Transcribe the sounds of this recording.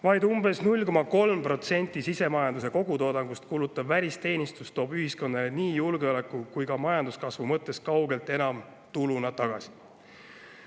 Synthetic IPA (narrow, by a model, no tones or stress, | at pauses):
vɑjd̪umbe̞snulʲko̞mɑko̞lmpro̞t̪se̞nʲt̪ːˑisise̞mɑjɑnd̪use̞ko̞ɡ̥ut̪o̞ːd̪ɑŋɡ̥ust̪kuːlut̪ˑːɑbvælʲist̪e̞ːnʲist̪ust̪o̞ːb̥yɦisko̞nːɑleniːjulɡeole̞kːˑukujkɑmɑjɑnd̪̥uskɑsvumɤt̪ːˑe̞skɑwɡ̥e̞lt̪ˑe̞nɑm | t̪ulunɑt̪ɑɡ̥ɑsi̥